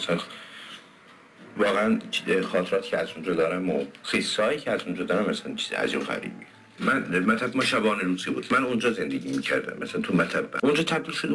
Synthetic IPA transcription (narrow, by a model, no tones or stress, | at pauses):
æsæn | vɒːɣeænt͡ʃxɒːt̪ʰeɾɒːt̪ʰi̥ːcʰeæzund͡ʒɒːd̪ɒːɾæmo̰xisːhɒːiːcʰeæzund͡ʒɒːd̪ɒːɾæmæsænt͡ʃʰiːzḭæ̰ziumɣæ̰ɾḭːbi | mænmæt̪ʰæbmɒːʃæbɒːneɾuːziːbuːd̪mænund͡ʒɒːzend̪eɡʲiːmiːcʰæ̰ɾd̪æ̰mʔæsænt̪ʰumæt̪ʰæbːæ̰ond͡ʒɒːt̪ʰæb̚d̪iːlʃod̪e